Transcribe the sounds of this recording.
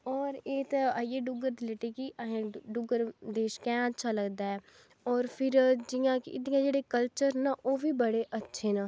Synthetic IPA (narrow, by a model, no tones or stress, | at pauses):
ɔːɾeːt̪aijeːɖʊɡəɾd̪ɪleːʈeːkiʔaɦẽɖʊɡəɾd̪eːʃkɛ̃ːətːʃʰaːləɡd̪aːɛː | ɔːɾpʰɪɾd͡ʒɪjãːkɪ̰ɪ̰d̪ɪjãːd͡ʒeːɽeːkəlt͡ʃəɾnaːʔoːʋiːbəɽeːʔətːʃʰeːnãː